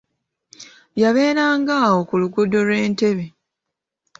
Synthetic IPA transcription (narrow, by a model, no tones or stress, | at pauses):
jaβe̞ːɾaːŋɡaːwo̞kuluɡudo̞lwe̞ːnte̞βe